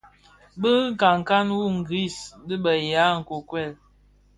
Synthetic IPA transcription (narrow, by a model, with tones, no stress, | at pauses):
bə˦ŋ˦˨ka˨ŋ˨ka˦nwu˦ŋ̩˨ɡi˦˨sdə˦bə˨ja˨˦˨ŋ̩˨ko˨kwɛ˦˨l